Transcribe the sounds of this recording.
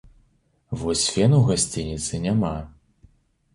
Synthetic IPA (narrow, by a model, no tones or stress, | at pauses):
vɔsʲfʲɛnuwɣasʲt͡sʲinʲit̪sɨnʲama